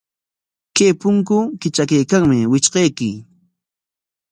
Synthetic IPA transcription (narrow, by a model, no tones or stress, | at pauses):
keːpʊŋk̬ʊkɪt͡ʃakajkaŋmɪwɪt͡ʃqejkɪ